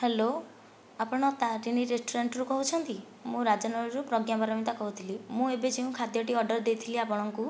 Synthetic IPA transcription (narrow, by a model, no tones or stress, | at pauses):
helo | apɔɽ̃ɔt̪aɾiniɾesʈuɾeɳʈɾukɔɦut͡ʃʰɔnt̪i | mũɾad͡ʒɔnɔɭɔɾupɾɔɡjabaɾɔmit̪akɔɦut̪ʰilimũebed͡ʒeũkʰad̪jɔʈiɔɾɖɔɾd̪ejt̪ʰiliapɔɽ̃ɔŋku